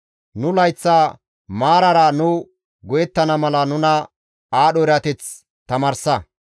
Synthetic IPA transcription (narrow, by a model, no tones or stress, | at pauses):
nʊlɐjt͡sːaː | maːɾɐɾɐnʊ | ɡɔjɛt̪ːɐnɐmɐlɐnʊnɐ | aːɗɔɪɾɐt̪ɛt͡s | t̪ɐmɐɾsɐ